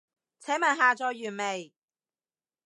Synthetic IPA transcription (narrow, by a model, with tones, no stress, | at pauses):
t͡sʰɛː˨˥mɐ˨˩nɦaː˨t͡sɔː˨jːyː˨˩nme˨˩j